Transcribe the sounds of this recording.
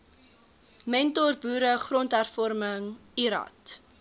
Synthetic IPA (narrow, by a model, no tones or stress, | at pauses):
mɛntɔrbuːɾəχrɔntɦærfɔɾməŋiɾɑ̰t